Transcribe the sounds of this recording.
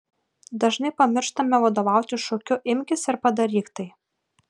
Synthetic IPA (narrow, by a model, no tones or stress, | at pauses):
d̪ɐʒnɐɪpɐmʲɪɾʃt̪ɐmʲɛʋɐd̪oːʋɑˑʊt̪ʲɪʃɔkʲʊʔɪmʲkʲɪsɪɾpɐd̪ɐɾʲiːkt̪ɐɪ